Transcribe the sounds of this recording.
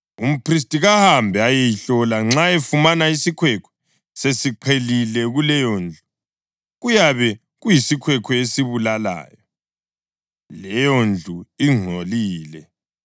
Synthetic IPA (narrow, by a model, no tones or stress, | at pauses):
um̩pris̬tʼiɣahambʱɛajɛjiɬɔlaŋ͡ǁaefumanaisikʰwɛkʰɔ̥ | sesiǃʰelilɛɣulɛjond͡ɮʱu | ɣujaβɛ | ɣujisikʰwɛkʰɔesiβulala̰ːjɔ | lɛjond͡ɮʱuiŋ͡ǀʱoliːlɛ